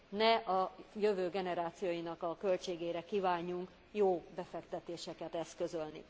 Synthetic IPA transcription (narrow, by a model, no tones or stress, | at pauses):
nɛʔɒjøvøːɡɛnɛɾaːt̪sijoːjinɒkɒkø̞lt͡ʃeːɡeːɾɛkiːvaːɲːuŋk | joːbɛfɛkt̪ɛt̪eːʃɛkɛt̪ɛskø̞zø̞lnḭ